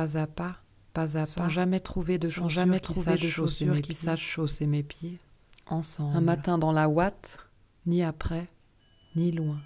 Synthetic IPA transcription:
azapa | pazapãʒamɛt̪χuved̪əʃɔ̃ʒamɛt̪χsaʃosemesaʃosemepje | ɑ̃sɑ̃bɛ̃mat̪ɛ̃d̪ɑ̃lawat̪ | niapχɛ | nilwɛ̃

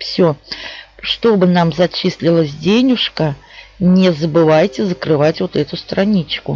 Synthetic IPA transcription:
fsʲo | ʂt̪o̞bɨnamzɐt͡ɕisʲlʲɪlˠəsʲdʲenʲʊʂkənʲɪzəbɨvajtʲɪzəkɾɨvatʲvot̪ɛt̪ʊst̪ɾɐnʲit͡ɕkʊ

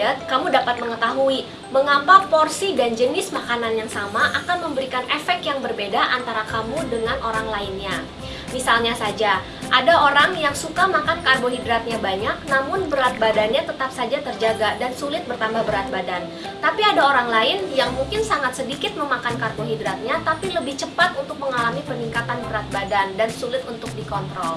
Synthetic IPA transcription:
ət̪̚kamudapat̪̚məŋət̪aɦui | məŋapaporsidand͡ʒənɪsmakananjaŋsamaʔakanməmbəɾikanʔɛfɛk̚jaŋbərbedaʔant̪aɾakamudəŋanʔoɾaŋlaɪnɲa | misalɲasad͡ʒa | ʔadaoɾaŋjaŋsukamakankarboɦidɾat̪̚ɲabaɲak̚namʊnbəɾat̪̚badanɲat̪ət̪apsad͡ʒat̪ərd͡ʒaɡadansulɪt̪̚bərt̪ambahbəɾat̪̚badan | t̪apiadaoɾaŋlaɪnjaŋmuŋkɪnsaŋat̪̚sədikɪt̪̚məmakankarɡoɦidɾat̪̚ɲat̪apiləbɪht͡ʃəpat̪unt̪ʊk̚məŋalamipəniŋkat̪anbəɾat̪̚badandansulɪt̪unt̪ʊk̚dikɔnt̪ɾɔl

